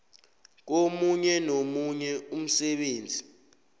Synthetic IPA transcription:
k̬omuɲɛnomuɲɛum̩sɛɓeːnd͡zʱi

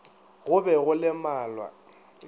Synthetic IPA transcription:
ɣʊbɛɣʊlɪmaːlwa̰

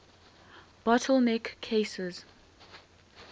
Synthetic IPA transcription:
b̥ɔtʰəlnɛkʰːesɪz̥

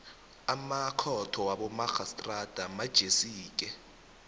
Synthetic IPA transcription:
amakʰɔtʰɔwaɓɔmaxastʼrad̥ʱamad̥ʒ̥ʱesiːk̬ʼɛ

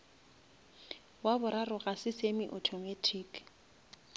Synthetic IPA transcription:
wabʊɾarʊɣasɪsemɪʔɔtʰɔmatʰiːk

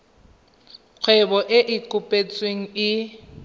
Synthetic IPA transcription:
q͡χʰwɛbɔʔɪʔɪkʼʊpʼet͡sʼweŋ̩ɪ

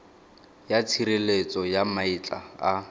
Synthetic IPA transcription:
jat͡sʰiɾelet͡sʼɔjamait͡ɬʼa̰a

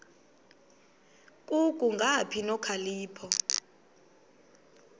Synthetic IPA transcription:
kʼukʼuŋɡʱapʰinɔkʰaliːpʰɔ

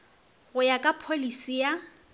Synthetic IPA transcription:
ɣʊjakʼapʰolisija

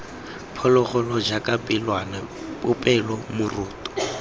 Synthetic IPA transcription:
pʰɔlɔχɔlɔd͡ʒakʼapʼɪlwanapʼʊpʼɛlɔmʊruːtʼɔ̥

